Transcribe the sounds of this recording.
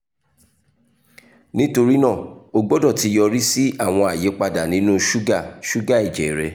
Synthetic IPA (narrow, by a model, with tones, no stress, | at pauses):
nĩ˦to˧ɾi˦nã˦˨o˧ɡ͡bo˦dɔ˦˨ti˨˧˦jɔ˧ɾi˦si˦a˦˨w̃ɔ̃˧a˨je˨˦k͡pa˧da˨nĩ˦nũ˦ʃu˦ɡa˦˨ʃu˦ɡa˦˨e˨d͡ʒɛ˨ɾɛ˧